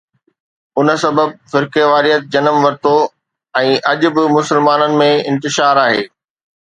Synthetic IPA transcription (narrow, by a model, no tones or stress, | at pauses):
ʊnəsɐbəb̚fɪɾkeʋaːɾijət̪̚d͡ʑɐnəmʋɐɾt̪o | ɛ̃ːʔɐʄʊ̆bɪmʊsɪlmaːnənɪ̆mẽɪ̰̃nt̪ɪʃaːɾaːɦḛː